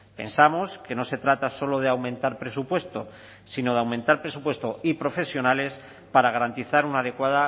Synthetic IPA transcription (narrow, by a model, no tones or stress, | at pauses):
pe̞̰nsamoske̞no̞se̞t̪ɾat̪aso̞lo̞ð̞eawmẽnt̪aɾpɾe̞supwe̞st̪o̞ | sino̞ðawmẽnt̪aɾpɾe̞supwe̞st̪o̞ipɾo̞fe̞sjo̞nale̞s | paɾaɣaɾant̪iθaɾunað̞e̞kwaða